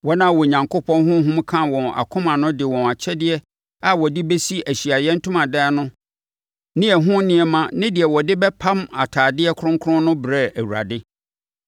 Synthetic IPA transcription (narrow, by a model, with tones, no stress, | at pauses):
wɔ˦nã˦˨wɔ˨ɲã˨ŋkʰo˦pʰɔ̃˦nɦʊ̃˦ɦũ˦m˦kʰã˦wɔ̃˨na̰˨kʰʊ̃˦mã˨nʊ̃˦dɪ˨wɔ̃˨na˨t͡ɕʰɛ˦dɪ˦ɛ˦ | a˦wɔ˨dɪ˦be˦si˦æ˨ɕi˨a˨jɛ̃˦n̩˦tʰũ˦mã˨dɛ˦nʊ̃˦ | nɪ̃˦ɛ˨ɦʊ̃˦nɪ̃˦ɛ˨mã˦nɪ̃˦dɪ˨ɛ˨wɔ˨dɪ˦bɛ˦pʰã˦ma̰˨tʰaː˨dɪ˦ɛ˦kʰʊ̃˦ŋkʰʊ̃˦nʊ̃˦bɾɛ˦˨æ˨wu˨ɾa̰˨dɪ˦